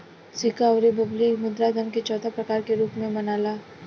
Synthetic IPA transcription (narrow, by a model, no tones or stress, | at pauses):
sɪkaɔɾebɐblimʊd̪ɾad̪ʱəmket͡ʃɔːt̪ʰapɾɐkaːɾkeɾuːpmẽmɐnaːlaː